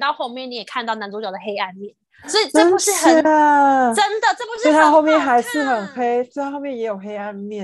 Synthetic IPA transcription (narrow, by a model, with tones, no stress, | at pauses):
t̪ɑ˥˧ʊxo˥˧ʊmjɛ˥˩ni˧˥jɛ˨˩kʰa˥˧nt̪ɑ˥˩ʊna˧˥nt͡so˧˥t͡ɕjɑ˨˩ə˩xe˥ɪa˥˧nmjɛ˥˩n | sɔ˧˥i˨˩ʈ͡ʂɤ˥˩u˧˥ʂɻ̩˥˩xə˨˥ | ʈ͡ʂə˥nd̪ə˨ʈ͡ʂɤ˥˩pu˧˥ʂɻt̪a˥xo˥˧ʊmjɛ˥˩nxa˧˥ɪʂɻ̩˥˩xə˨˩nxe˥ɪɔ˥˧xxo˥˧ʊmjɛ˥˩njɛ˧˥jo˨˩ʊxe˥ɪa˥˧nmjɛ˥˩